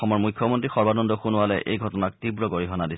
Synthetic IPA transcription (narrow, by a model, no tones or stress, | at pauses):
ɔmɔɹmujkʰːɔmɔntɹixɔɹbadɔndɔxunʊwalɛʔejɡʱɔtɔnak̚tibɹɔɡoɹiɦɔnadis